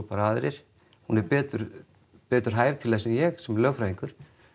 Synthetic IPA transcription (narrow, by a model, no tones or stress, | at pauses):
paɾaːðɾɪɾ̥ | hunɛɾpɛːt̪ʏɾ | pɛːt̪ʏɾ̥ɦaːjvt̪ʰɪlɛsɪnjɛɣsɛmɛɾlœːɣfɾajðiŋkʏɾ̥